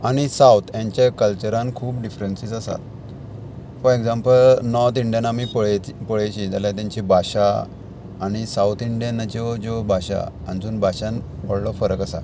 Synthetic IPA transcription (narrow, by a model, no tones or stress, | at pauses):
aɽ̃isawt̪ʰjãɲt͡ɕakəlt͡ɕəɾãnkʰuːpɖifɾensisasa̰t̪̚ | fɔɾeɡd͡zãmpəlnɔɾt̪iɳɖijanamipəɭpəɭajt͡ɕid͡zaljat̪jãɲt͡ɕibʱaɕaː | ɽ̃isawt̪ʰiɳɖijanːat͡ɕid͡ʑɔbʱaɕa̰ | and͡zuːnbʱaɕanpɔɽlɔfəɾəkasa̰